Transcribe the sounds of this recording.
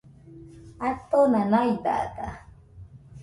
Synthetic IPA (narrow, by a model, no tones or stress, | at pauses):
at̪onanajd̪a̰ta